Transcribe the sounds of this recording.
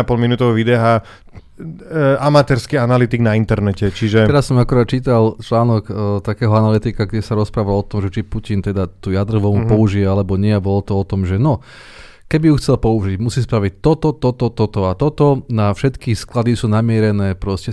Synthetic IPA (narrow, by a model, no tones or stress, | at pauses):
apɔlminut̪ɔʋʋid̪ɛɦa | amat̪ɛɾskianalit̪iɡnaint̪ɛɾnɛcɛt͡ʃiʒɛɛɾasːɔmakuɾaːt̪t͡ʃiːt̪alt͡ʃlaːnɔkːt̪akɛːɦɔanalit̪ikaɡɟɛsaɾɔspɾaːʋalɔt̪ɔmʒɛt͡ʃipucint̪ɛd̪at̪ujad̪ɾ̩ʋɔmupɔuʒiɛalɛbɔɲɪɛabɔlɔt̪ɔɔt̪ɔmʒɛnɔ | kɛbiuxt͡sɛlpɔuʒiɟmusiːspɾaʋic̚t̪ɔt̪ɔt̪ɔt̪ɔt̪ɔt̪ɔat̪ɔt̪ɔnafʃɛt̪kisklad̪isuːnamɪɛɾɛnɛːpɾɔscɛ